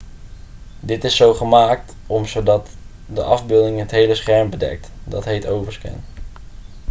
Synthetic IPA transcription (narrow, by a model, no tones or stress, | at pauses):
dɪtɪsːowχəmaːk̚t | ɔmzowdɑt | də̰ʔɑvbɪːlˠdɪŋɦətɦejləsχɛɹmbədɛ̰k̚tdɑtɦejtowvəɹskɛ̰n